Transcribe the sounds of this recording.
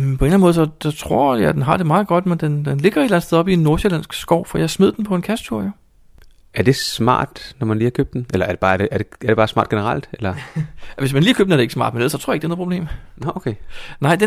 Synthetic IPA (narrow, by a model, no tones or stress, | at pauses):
pʰɒ̽e̝nænəmɔːðˠsst͡sʰʁoɐ̰jæd̥enɦɑ̈d̥e̝mɑ̈ːð̩ˠɡ̥ɒ̽d̥mend̥end̥enle̝ɡ̥ɐe̝d̥læn̩sʰeðˠɒ̽bienːo̝ɐselæn̰sɡ̥sɡ̥ɒʊ̰fɒjɑ̈smeð̰ˠd̥en̩pʰɒ̽e̝nkʰæst͡sʰuɐ̰jo̝ | æɐd̥e̝smɑ̰̈ːd̥nɒmænliːhɐkʰøb̥̚d̥enʔelɐæɐdeb̥ɑ̈ːd̥eʔæɐd̥eæɐde̝b̥ɑːsmɑ̈ːd̥ɡ̥enəʁɑl̰d̥elɐʋe̝smænliːækʰøːb̥̚næɐdeɡ̥smɑ̰̈ːd̥mneð̰l̰ˠsɒt͡sʰoɐeɡ̥eːnoð̩ˠpʰoble̝̰ːmookʰenɑ̈ɪ̰d̥e